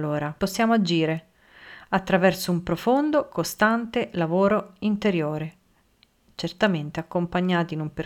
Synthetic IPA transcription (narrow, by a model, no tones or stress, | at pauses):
oːɾaposːjaːmoad͡ʒiːɾe | at̪ːɾavɛrsoumpɾofond̪okost̪ant̪elavoːɾoint̪eɾjoːɾe | t͡ʃert̪ament̪eakːompaɲːaːt̪inumper